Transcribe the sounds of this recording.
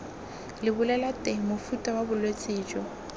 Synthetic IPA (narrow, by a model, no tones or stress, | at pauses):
lɪbʊlɛlatʼɛmofutʼawabʊlwet͡sʼɪːd͡ʒɔ